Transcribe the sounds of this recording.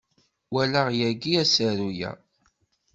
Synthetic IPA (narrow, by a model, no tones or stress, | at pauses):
wælaʁjæɡiæsəɾujæ̰